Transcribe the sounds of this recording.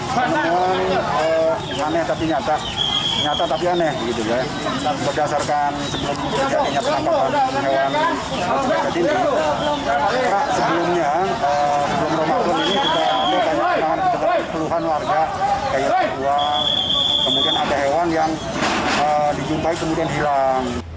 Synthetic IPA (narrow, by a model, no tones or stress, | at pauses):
səməuanə | anɛht̪apiɲat̪a | ɲat̪at̪apianɛhɡit̪uja | bərdasarkansəbəlʊmaaɲapəakapaɦewan | auad͡ʒadin | əɾasəbəlʊmɲa | əsəbəlʊmromasʊninisudaanakaɲapat̪aŋankəət̪apapəluɦanwarɡakajapəd͡ʒua | kəmudianadaɦewanjaŋ | ədid͡ʒumpaikəmudianɦilaŋ